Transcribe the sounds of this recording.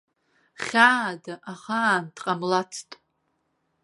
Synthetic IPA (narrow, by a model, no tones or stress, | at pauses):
χʲadaʔaχaːntʼqʼamlat͡sʰtʼ